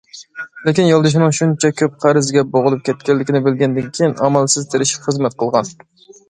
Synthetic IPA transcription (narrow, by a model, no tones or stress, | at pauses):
lɪkʲinjɑlˠd̪ɨʃ̬ɪnɪŋʃunt͡ʃʰɛkʲʰøp̚qʰæɾɨzɡʲɛboʁʊlˠup̚kʲʰɛt̪̚kʲɛlːɪkʲɪnɪbɪlɡʲɛnd̪ɪnkʲʰejinɑmɛlˠsɪzt̪ʰeɾɪʃi̥pχəzmɛt̪̚qʰəlˠʁɑn